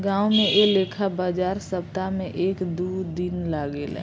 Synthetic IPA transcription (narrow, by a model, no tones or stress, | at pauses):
ɡãːumẽʔeleːkʰabaːd͡ʒaːɾsəp̚t̪amẽʔeːkd̪ud̪inlaːɡelɛ̰